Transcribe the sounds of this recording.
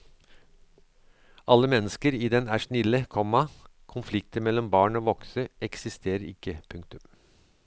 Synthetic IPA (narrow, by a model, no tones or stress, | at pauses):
ʔɑlːəmɛnːəskəɾiːd̪ɛnæːʂnɪləkʰɔmɑ | kʰʊnflɪkt̪əmɛlːɔmbɑːɳoːʋɔksəɛksɪst̪ʰeːɾəɾɪ̰kːəpʰʉŋk̚t̪ʉm